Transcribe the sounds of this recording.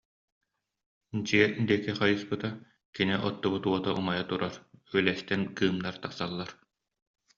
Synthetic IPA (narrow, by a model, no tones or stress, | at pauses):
d͡ʑiɛd̪iɛkiχajɯspɯt̪a | kiniʔɔt̪ːubut̪uɔt̪aʔṵmajat̪uɾaɾyœlɛst̪ɛnkɯːmd̪aɾt̪aqsalˠːaɾ